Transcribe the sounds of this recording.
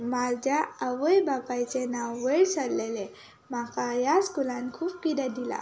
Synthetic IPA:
mald͡ʒaːwəjbapajt͡ʃenaweɾsalele | makajaskulankʰufkidadila̰

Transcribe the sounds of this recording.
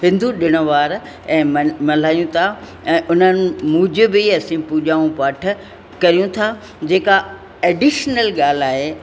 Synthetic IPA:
ɦɪ̃nd̪uɗɪɽ̃ʊ̆ʋaːɾ | ɛ̃ːmmɐl̤aːjũt̪ʰa | ɛ̃ːʔʊn̤ənɪ̆mũːd͡ʑɪbɪɐsĩpuːʄaːũpaːʈ̆ʰ | kɐɾijũt̪ʰa | d͡ʑeːka | ɛːɖiʃnəlɠaːl̤aːɦeː

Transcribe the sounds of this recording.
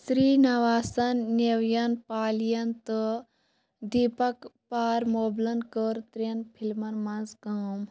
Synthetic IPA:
sɾiːnɐʋaːsɐnːeʋjɐnpaːlijɐnt̪ə | d̪ipɐkpaːɾmoːblɐnkəɾt̪ɾenpʰilmɐnmɐnzkɐːm

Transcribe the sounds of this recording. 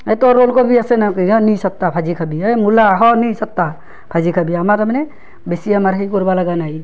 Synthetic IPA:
ɛt̪ɔɾolkɔbʱiasɛnakianisat̪ːapʰad͡ʒikʰabiamulaɦɔnisat̪ːa | pʰad͡ʒikʰabiamaɾamnɛ | besijamaɾɦajk̬ɔɾbalaɡanaj

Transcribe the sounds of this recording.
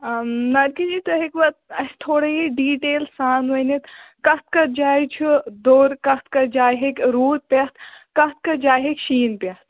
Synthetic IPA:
nɐd̪̚kid͡ʒit̪oɦekʋɐt̪̚ɐst̪ʰoːɽɐiɖiːʈeːlsaːnʋɐnet̪kɐt̪̚kɐd͡ʒaːjt͡ʃʰud̪oːɾkɐt̪kɐd͡ʒaːɦekɾuːt̪̚pɐt̪ʰkɐt̪̚kɐd͡ʒaːjɦekʃiːnpɐt̪ʰ

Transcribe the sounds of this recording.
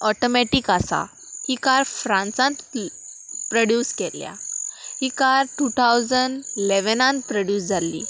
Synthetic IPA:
ɔʈɔmɛʈikasa̰ | hikaɾfɾãnsãnt̪ | pɾəɽjuːskɛlja̰hikaɾʈut̪ʰawd͡zəɳɖileʋənãnt̪pɾəɽjuːsd͡zʱalḭː

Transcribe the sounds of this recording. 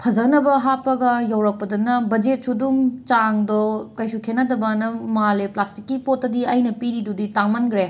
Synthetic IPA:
pʰɐzɐnɐbɐɦapːɐɡɐjɐwɾɐk̚pɐdɐnɐbɐd͡ʒet̚sudumt͡ʃaŋdɔkɐjsukʰenɐdɐbɐnɐmaaleplastikːipotːɐdiɐjnɐpiɾiduditaŋmanɡɾe

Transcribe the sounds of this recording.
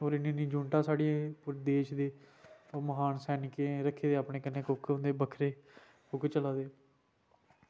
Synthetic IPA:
oːɾɪnĩːnĩːd͡ʒuːɳʈãːsaːɽijẽpʊɾd̪eːʃd̪eːoːməɦaːnsɛːnɪkẽːɾəkʰːeːd̪eːaːpɳeːkɪnːẽːkʊkʰɦõnd̪eːbəkʰɾeː | kʊkʰt͡ʃəlaːd̪eː

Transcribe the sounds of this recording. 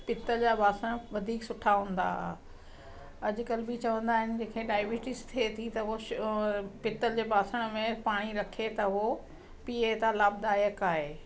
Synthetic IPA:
pɪt̪əld͡ʑaːbʱaːsəɽ̃ʋɐd̪ʱiːksʊʈʰaɦũːn̆d̪a̰ | ɐd͡ʑʊ̆kɐlbɪt͡ɕɐʋə̃nd̪aːɦɪnɪ̆d͡ʑẽːkʰeɖaːɪbiːʈɪst̪ʰiet̪ʰit̪ɐɦoʃ | pɪt̪əld͡ʑeːbaːsəɽ̃mẽpaːɽ̃iɾɐkʰet̪ɐɦo | piːet̪alaːb̚d̪aːjəkaːɦeː

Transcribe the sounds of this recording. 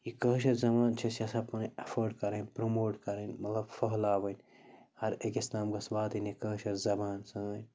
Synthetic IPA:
jikɐːʃ̬ɐɾzɐmaːnt͡ʃʰɐsʲɐsɐpɐneɐfoɾɖkɐɾɐnʲpɾomoːʈkɐɾɐnʲmɐt̪lɐbfɐɦlaːʋɐnʲ | hɐɾekisnaːmɡɐsbaːt̪ɐnekɐːʃɐɾzɐbaːnsɐnɐnʲ

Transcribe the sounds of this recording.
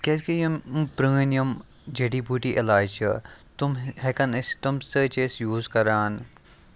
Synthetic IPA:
keskijɐmpɾə̃ːnjɐm | d͡ʒeʈiːbuʈiːʔelaːjt͡ʃʰɐt̪umɦekɐnst̪umsəːt͡ʃesjuːzkɐɾaːn

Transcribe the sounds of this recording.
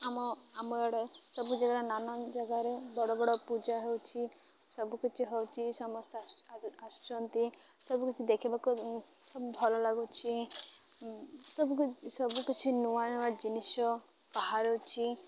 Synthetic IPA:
amɔamɔeɽɔsɔbud͡ʒaɡaɾenanɔd͡ʒaɡaɾebɔɽɔbɔɽɔpud͡ʒaɦewt͡ʃʰi | sɔbukit͡ʃʰiɦewt͡ʃʰisɔmɔst̪ʰasʃɔnt̪i | sɔbukit͡ʃʰid̪ekʰibaku | sɔbubʱɔlɔlaɡut͡ʃʰi | sɔbuksɔbukit͡ʃʰinuanʋad͡ʒinisɔ | paɦaɾewt͡ʃʰi

